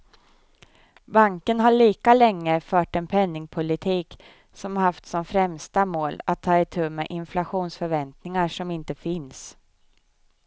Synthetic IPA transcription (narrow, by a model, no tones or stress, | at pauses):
baŋkənɦaɭiːkalɛŋːəfœːʈɛnpʰɛnːɪŋpʰʊlɪt̪ʰiːk | sɔmahaft̪sɔmfɾɛmst̪amoːlat̪ʰːɑːɪt̪ʰʉ̟ːmeːʔɪnflaɧuːnsfœɾvɛnt̪nɪŋaʂɔmɪnt̪əfɪns